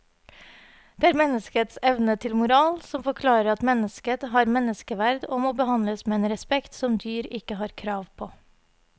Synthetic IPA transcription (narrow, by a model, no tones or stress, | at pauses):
d̪̥eːæːɾmɛnəskət̪sɛʋnət̪ʰɪlmʊɾɑːlsɔmfɔɾkʰlɑːɾəɾɑt̪mɛnəskət̪ɦɑːɾmɛnəskəʋæɾd̪oːmoːbəhɑnləsmeːeːnɾɛspɛkt̪sɔmd̪yːɾɪkəhɑːɾkʰɾɑːʋpʰoː